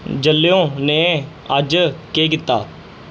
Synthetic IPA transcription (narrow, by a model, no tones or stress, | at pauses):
d͡ʒəlːejõːnẽː | əd͡ʒkeːk̬ɪt̪ːa̰ː